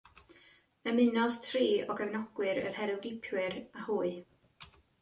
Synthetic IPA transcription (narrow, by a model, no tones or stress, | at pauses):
əmɪnɔðtʰriːɔɡəvnɔɡ̥wɨɾə̰rhɛɾɨwɡɪpʰjwɪɾahuːɨ